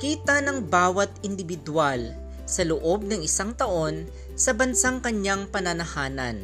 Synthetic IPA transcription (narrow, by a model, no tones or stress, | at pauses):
kiːt̪ɐnɐŋbaːwɐt̪̚ɪnd̪ɪbɪd̪ʊal | sɐlʊʔo̞b̚nɐŋɪsaŋt̪ɐʔo̞n | sɐbɐnsaŋkɐɲjaŋpɐnɐnɐhaːnɐ̰n